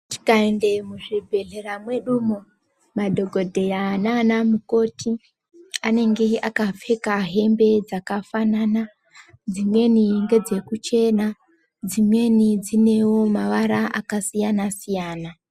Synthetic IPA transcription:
ti̥kaende̞muʐibʱe̞ɮe̞ramwe̞ɗumo̞ | madʱo̞ɡʱo̞dʱe̞jananamuko̞ːtʰi | ane̞ŋɡe̞akafe̞kaɦe̞mbe̞d͡zakafanana | d͡zimwe̞niŋɡe̞d͡ze̞kut͡ʃe̞na | d͡zimwe̞nid͡zine̞wo̞maʋaɾaʔakasijanasijaːna

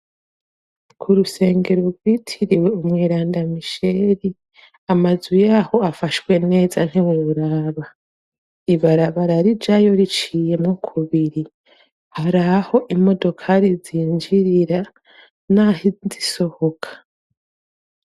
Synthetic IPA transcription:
kʰuɾuse̞ːŋɡe̞ɾo̞ɾɡwitʰiɾiwe̞umŋiːɾaːndamiʃe̞ɾi | amazwijaːho̞afaʃwe̞ne̞ːzan̥hiweβuɾaːβa | iβaɾaβaɾaɾid͡ʒajo̞ɾit͡ʃije̞mŋokʰuβiɾi | haɾaho̞ʔimo̞do̞kʰaɾiziːnd͡ʒiɾiɾa | nahiziso̞ho̞kʰḁ

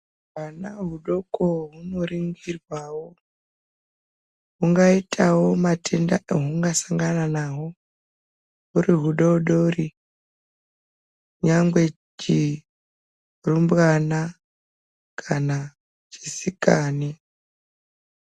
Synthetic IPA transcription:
wanaɦuɗo̞koɦuno̞riŋɡirwawo | ɦuŋɡaitʰawo̞matʰendaeɦuŋɡasaŋɡananaɦo̞ | ɦuriɦuɗoɗori | kuɲaŋɡwe̞ | t͡ʃi | rumbɣana | kʰana | t͡ʃi̥sikaːni

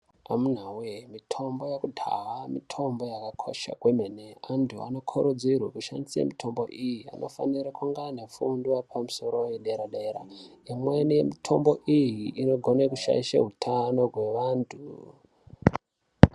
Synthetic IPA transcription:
amun̤awemitʰo̞mbo̞jekudʱa̰wamitʰo̞mbo̞jakakʰo̞̰ʃa̰kwe̞meneantʰua̰no̞kʰoɾod͡zirwakuʃa̰nisiḛmitʰo̞mbo̞̰ʔijia̰nʔofa̰niɾakuŋɡanafundwapʰamuso̞ɾo̞jeɗe̞ɾaɗeɾa̰imwenejḛmitʰo̞mbo̞ʔijiːno̞ɡʱo̞nekuʃa̰iʃa̰ɦutʰano̞rwe̞ʋaːntʰu

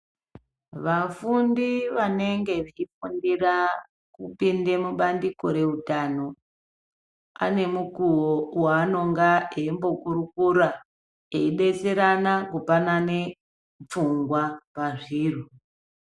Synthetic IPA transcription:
ʋafundiʋane̞ŋɡe̞ʋeifundira | kupinde̞muɓandiko̞ɾe̞utano̞ | a̰ne̞mukuwowaːno̞ŋɡaeimbo̞kuɾukuɾa | eiɗe̞t͡seɾanakupanane̞ | p͡fuŋɡwapaʐiːru

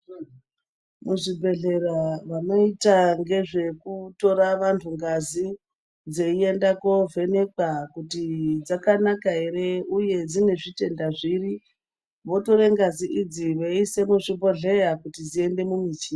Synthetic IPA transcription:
muʐibʱe̞ɮe̞raʋano̞itaŋɡe̞ʐe̞kuto̞ɾaʋantʰuŋɡazi | d͡zeie̞ndako̞ve̞ne̞kakutid͡zakanakaɦe̞ɾe̞uje̞d͡zine̞ʐite̞ndaʐiri | ʋo̞to̞ɾe̞ŋɡaziʔid͡ziʋeise̞muʐibo̞ɮe̞jakutid͡zie̞nde̞mumit͡ʃi

